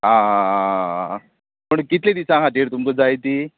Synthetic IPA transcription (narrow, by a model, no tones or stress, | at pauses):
ɦã | məɽkit̪led̪isãkʰaʈiɾt̪umkəd͡zajt̪i